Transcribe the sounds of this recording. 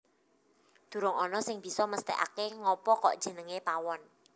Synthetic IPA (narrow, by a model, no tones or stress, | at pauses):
d̪̥ṳɾʊŋɔnɔsɪŋb̥i̤sɔməst̪ɛ̰ʔa̰keŋɔpɔkɔ̰ʔd̥ʒ̥ə̤nəŋepawɔn